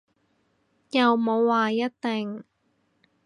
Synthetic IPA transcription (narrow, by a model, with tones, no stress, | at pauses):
jɐ˨wmo˨˧wːaː˨˩jɐ˥t̚t̪e˨ŋ